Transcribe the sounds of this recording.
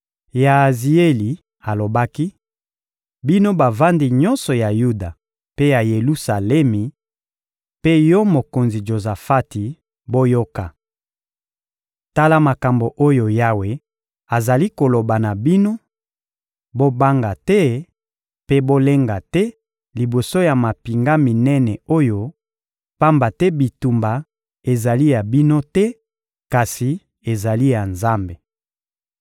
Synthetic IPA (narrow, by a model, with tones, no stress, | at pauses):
ja˨zi˨e˦li˨ | a˨lo˨ba˦ki˦ | bi˦no˦ba˨va˦ndi˨ɲɔ˦nsɔ˨ja˨ju˦da˨ | pe˦ja˨je˨lu˦sa˨lɛ˦mi˨ | pe˦jɔ˦mo˨ko˨nzi˨ʒo˨za˨fa˦ti˨ | bo˦jo˦ka˨ | ta˦la˦ma˨ka˨mbo˨ʔo˦jo˨ja˦we˨ | a˨za˨li˦ko˨lo˨ba˨na˨bi˦no˦ | bo˦ba˦ŋɡa˨tɛ˦ | pe˦bo˦le˦ŋɡa˨tɛ˦ | li˨bo˨so˦ja˨ma˨pi˨ŋɡa˦mi˨nɛ˦nɛ˨o˦jo˦ | pa˦mba˨tɛ˦bi˨tu˨mba˨ | e˨za˨li˦ja˨bi˦no˦tɛ˦ | ka˨si˨ | e˨za˨li˦ja˨nza˦mbe˨